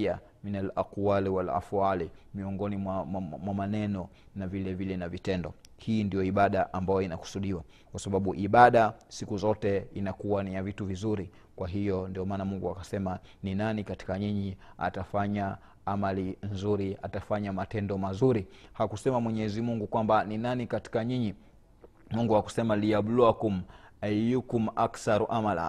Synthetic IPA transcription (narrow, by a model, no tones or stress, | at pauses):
a | minalakuwaliwala̰fualimiɔŋɡɔnimwamwamanɛnɔ | navilɛvilɛnavitɛndɔhiːndijɔiɓaɗaʔambajɔinaku̥suɗiwa | kwasaɓaɓuʔiɓaɗasikuzɔtɛinakuwanijavituvizuɾi | kwaɦijɔndiɔmaːnamuŋɡuakasɛmaninanikati̥kaɲiɲia̰tafaɲa | amalinzuɾiatafaɲamatɛndɔmazuɾihakusɛmamwɛɲɛzimuŋɡukwambaninanikati̥kaɲiɲi | muŋɡuaku̥sɛmaliaɓluakum̩ajukum̩aksaɾuʔamala̰